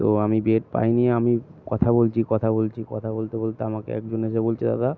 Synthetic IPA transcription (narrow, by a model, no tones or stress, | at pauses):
t̪oamibeʈpa̰jniamikɔt̪ʰabolt͡ɕʰikɔt̪ʰabolt͡ɕʰikɔ̰t̪ʰabolt̪ebolt̪eamakḛɛ̰kd͡ʑoneʃebolt͡ɕʰed̪a̰d̪a